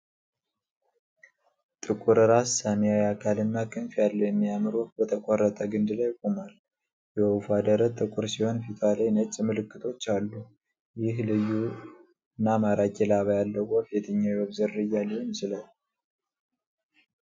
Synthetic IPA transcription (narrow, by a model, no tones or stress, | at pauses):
t̪ʼɨkʼuɾɨɾasːamijawjakʰalɨnːakʰɨnfjalːəwjɛmːijamɨɾubət̪ʰəkʼarːət̪ʼəɡɨnd̪ɨlajkʼumal | jɛufad̪əɾət̪ʼɨkʼuɾsiho̞nfit̪ʰalejnət͡ʃʼmɨlɨkːɨt̪ʰo̞t͡ʃːalːu | jɪhlɨjːu | nːamaɾakʼɛlaβajalːəɡofɛt̪ʰəɲːawiwəβzɨɾːɨjalimsɨlal